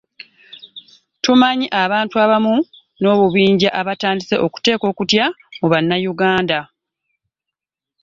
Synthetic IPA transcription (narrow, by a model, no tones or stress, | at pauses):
tumaɲiʔaβaːntuaβamu | no̞ːβuβiːɲɟaʔaβataːndise̞ʔo̞ku̥te̞ːko̞ːkutja | muβanːajuɡaːnda